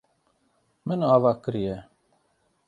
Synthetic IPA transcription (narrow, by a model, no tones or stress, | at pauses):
mənɑːvɑːkəɾije